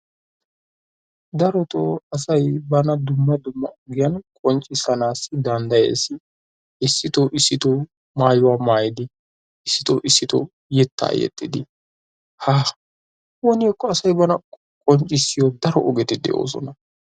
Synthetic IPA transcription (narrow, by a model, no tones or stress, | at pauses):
d̪ɐɾɔt̪ɔ̰ɐsɐjbɐnɐd̪ʊmːɐd̪ʊmːɐʔɔɡɪjɐnkʼɔnt͡ʃʼɪsɐnaːsːɪd̪ɐnd̪ɐjḛːsːɪ | ɪsːɪt̪ɔʔɪsːɪt̪ɔ | maːjʊwaːmaːjɪd̪ɪ | ɪsːɪt̪ɔʔɪsːɪt̪ɔ̰ | jɛt̪ːa̰ːjɛ̰t̪ːɪd̪ɪ | haː | wɔnɪɛkːɔɐsɐjbɐnɐ | kʼɔnt͡ʃʼːɪsːɪjɔd̪ɐɾɔʔɔɡɛt̪ːɪd̪ɛ̰ʔo̰ːsɔ̰nɐ